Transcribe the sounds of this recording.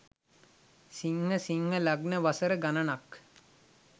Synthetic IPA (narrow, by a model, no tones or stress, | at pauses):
siŋːəsiŋːəlaɡnəʋasəɾəɡananak